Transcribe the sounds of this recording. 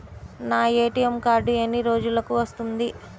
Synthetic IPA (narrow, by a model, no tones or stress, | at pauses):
naːeːʈijemkaːɾɖuɐnːiɾo̞ːd͡ʒulɐkuʋɐst̪und̪i